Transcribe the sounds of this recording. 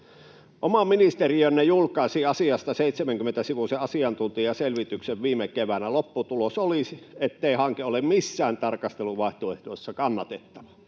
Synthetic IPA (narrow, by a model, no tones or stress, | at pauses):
ʔomɑminist̪eriønːejulkˑɑˑesiɑsiɑst̪ɑseˑit̪semæŋkymːˑent̪æsiʋuseɑsiɑnt̪unt̪iɑselʋit̪ykseʋʋiːmekeʋænælopːut̪ulosoliet̪ːeihɑŋkeolemmisːæːnt̪ɑrkɑst̪eluʋɑˑeht̪oeht̪oˑesːɑkɑnːɑt̪et̪ːɑʋɑ